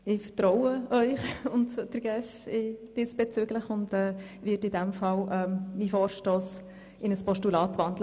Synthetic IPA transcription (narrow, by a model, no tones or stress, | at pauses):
ɪfətɾɔwəœʏχʊndd̥əɾɡ̥ɛfɪd̥ɪsb̥ɛt͡søɡləχʊndɛːvɪtɪdɛmfɑlʔɛmmifɔːʃtɔːs | ɪnəspɔʃtulɑːtʋɑnd̥l